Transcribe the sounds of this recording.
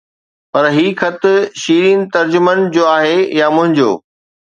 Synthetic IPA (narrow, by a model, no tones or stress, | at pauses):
pɐɾɦiːkʰɐt̪ʃiːɾiːnɪ̆t̪ɐɾd͡ʑʊmənɪ̆d͡ʑoːaːɦejamʊ̃ɦɪ̃ɲd͡ʑo̰ː